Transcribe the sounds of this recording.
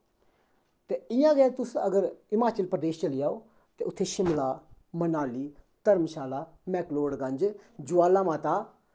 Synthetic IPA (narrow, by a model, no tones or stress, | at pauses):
t̪eːɪjãːɡɛːt̪ʊsəɡəɾɪmaːt͡ʃəlpɾəd̪eːʃt͡ʃəlijaːoː | t̪eːʊt̪ʰːeːʃɪmlaːmənaːliːt̪əɾmʃaːlaːmɛːkloːɽɡə̃ɲd͡ʒd͡ʒʊaːlaːmãːt̪aː